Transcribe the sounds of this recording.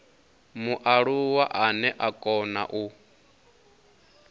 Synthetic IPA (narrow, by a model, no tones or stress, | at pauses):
muʔaɺuwaʔanɛʔakʼɔna̰ʔu